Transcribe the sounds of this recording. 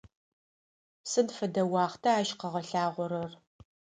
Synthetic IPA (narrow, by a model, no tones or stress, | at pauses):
sɨnfɐdɐwɑːχtʰɐaːʃqɐʁɐɬaːʁʷɔɾɐr